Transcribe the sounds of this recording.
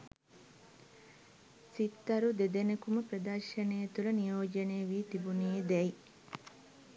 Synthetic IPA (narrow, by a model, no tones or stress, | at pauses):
sit̪ːɐɾud̪ed̪enɐkumɐpɾɐd̪ɐɾʃɐnejɐt̪ulɐnijoːd͡ʒɐneːɐʋiːt̪ibunijed̪ɛj